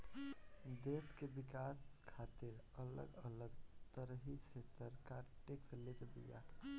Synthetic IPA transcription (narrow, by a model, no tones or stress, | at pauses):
d̪eskebikaskʰat̪iɾ | ələ̰ɡələɡt̪əɾɦisesəɾkaɾʈekslet̪b̪ḭja̰